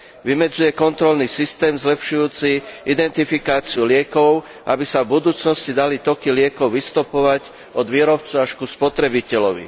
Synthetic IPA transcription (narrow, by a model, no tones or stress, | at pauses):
ʋimɛd͡zujɛkɔnt̪ɾɔlniːsist̪ɛːmzlɛpʃujuːt͡siʔid̪ɛnt̪ifikaːt͡siulɪɛkɔʊ | ʔabisavbud̪uːt͡snɔscid̪alit̪ɔkilɪɛkɔʊʋist̪upɔʋaɟ | ʔɔd̪ʋiːɾɔp̚t͡suaʃkuspɔt̪ɾɛbicɛlɔʋḭ